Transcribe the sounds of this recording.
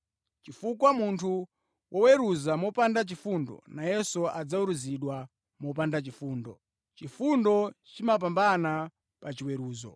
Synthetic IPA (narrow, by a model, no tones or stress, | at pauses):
t͡ʃifukwamuntʰu | wʔɔwɛɾuzamɔpandat͡ʃifundɔ̰najɛsɔad͡zauɾuziɗwa | mɔp̬andat͡ʃifuːndɔ | t͡ʃifundɔt͡ʃimap̬ambana | pat͡ʃiwɛɾuːzɔ̰